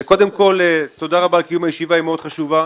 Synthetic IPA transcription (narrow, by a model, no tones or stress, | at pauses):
ko̞d̪e̞mko̞let̪o̞d̪aʁabaːlkijumajeʃivaimeo̞d̪̥χaʃuva